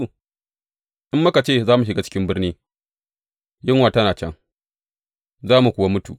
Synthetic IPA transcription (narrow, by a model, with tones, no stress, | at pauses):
ʔɪ˦mːʊ˦ka˨t͡ʃeː˦˨zaː˦mu˨ʃ̬ɪ˨ɡaː˦t͡ʃɪ̥˦kʲɪ˦mbɪ˦rniː˦ | jɪ˦ŋwaː˨tɐ˦naː˨t͡ʃɛ̰˦ŋ | zaː˦mu˨kʷʊ˨wa˦mʊ˦tṵː˨ʔ